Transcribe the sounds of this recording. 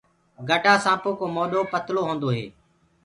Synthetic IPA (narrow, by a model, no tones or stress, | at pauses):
ɡʱəʈaːsãːpoːkoːmoːɗoːpət̪loːɦõːnd̪oːɦḛː